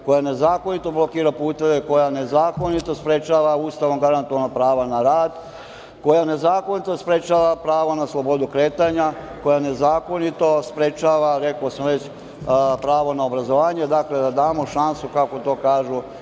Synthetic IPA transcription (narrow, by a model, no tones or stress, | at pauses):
ko̞jane̞zaːko̞nit̪o̞blo̞kiːɾapuːt̪e̞ʋe̞ko̞jane̞zaːko̞nit̪o̞spɾet͡ʃaːʋauːst̪aʋo̞mɡaɾant̪uʋanopɾaːʋanaɾaːd̪ | ko̞jane̞zaːko̞nit̪o̞spɾet͡ʃaːʋapɾaːʋonaslˠo̞bo̞d̪ukɾe̞ːt̪aːɲako̞jane̞zaːko̞nit̪o̞spɾet͡ʃaːʋaɾe̞kosmoʋet͡ɕ | pɾaːʋo̞naobɾazoʋaːɲe̞d̪akle̞d̪ad̪aːmo̞ʃansukako̞t̪o̞ːkaːʒu